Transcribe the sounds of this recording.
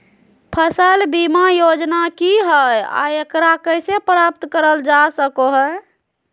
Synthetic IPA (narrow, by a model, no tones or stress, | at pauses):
pʰəsəlbimajod͡ʒnakiɦəja̰ekɾakəjsepɾap̚t̪kəɾəld͡ʒasəkoɦə